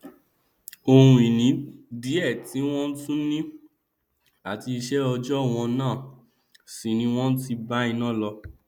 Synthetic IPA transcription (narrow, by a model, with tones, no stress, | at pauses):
o˧hũ˧i˨nĩ˨˦di˨˦ɛ˦˨ti˨˦w̃ɔ̃˦n̩˦tũ˦nĩ˦ | a˨ti˧i˧ʃɛ˦ɔ˧d͡ʒɔ˦˨w̃ɔ̃˧nãː˦˨ | si˨nĩ˧˦w̃ɔ̃˦n̩˦ti˧ba˦ĩ˧nã˦˨lɔ˧